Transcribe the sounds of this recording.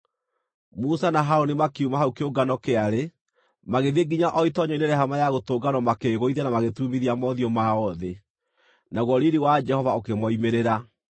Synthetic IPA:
musanaɦaɾonimakeumaɦaukeoɡanɔkeaɾe | maɣeðeɡiɲaʔɔitɔɲɔineɾɛhamajaɣotoːɡanɔmakeɣoiðɛnamaɣetumiðiamɔðiɔmaɔðe | naɣwɔɾiɾiwad͡ʒɛhɔvaokemɔimeɾeɾa

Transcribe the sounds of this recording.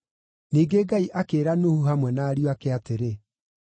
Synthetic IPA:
niːɡeɡaiʔakeːɾanohuɦamwɛnaːɾijoakɛateɾe

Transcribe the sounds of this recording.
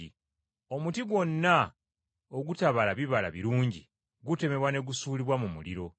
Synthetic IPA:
i | o̞mutiɡwo̞nːa | oɡutaβalaβiβala̰βiɾuːɲɟḭ | ɡute̞me̞βwane̞ɡusuːliβwamumṵliɾo̞

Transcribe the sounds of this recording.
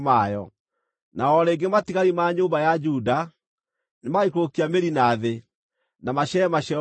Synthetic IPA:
majɔ̰ | naɔɾeːŋɡematiɣaɾimaɲoːmbajad͡ʒuda | nemaikokiameɾinaðe | namaɕɛɛmaɕɛ

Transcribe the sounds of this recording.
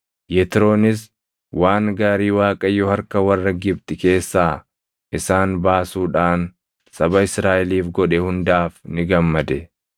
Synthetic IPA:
jɛt̪ɪɾo̞ːnɪs̬ | waːŋɡaːɾiːwaːkʼɐjɔhɐɾkɐwɐrːɐɡɪbt̪ɪke̞ːsːaː | ʔɪsaːnbaːsuːᶑaːn | sɐbɐɪsɾaːʔɛliːfɡɔᶑɛhʊnd̪aːfnɪɡɐmːɐd̪ɛ

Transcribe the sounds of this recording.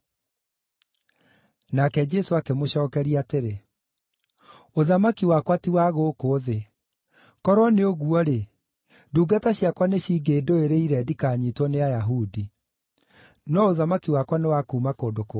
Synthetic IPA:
nakɛd͡ʒɛsoakemoɕɔːkɛɾiateɾe | oðamakiwakwatiwaɣokoːðe | kɔɾwɔneoɣuɔɾe | duːɡataɕiakwaneɕiːɡeːdoeɾeiɾɛdikaːɲitwɔneajaɦudi | nɔoðamakiwakwanewakuːmakoːndoko

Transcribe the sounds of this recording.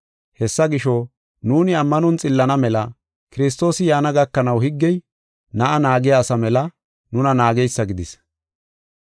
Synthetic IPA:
hɛsːɐɡɪʃɔ | nuːnɪɐmːɐnɔnt͡sʼɪlːɐnɐmɛlɐ | kɪɾɪs̬t̪o̞ːsɪjaːnɐɡɐkːɐnɐwhɪɡːɛj | nɐʔɐnaːɡɪjaːsɐmɛlɐ | nʊnɐnaːɡɛjsːɐɡɪd̪ɪs

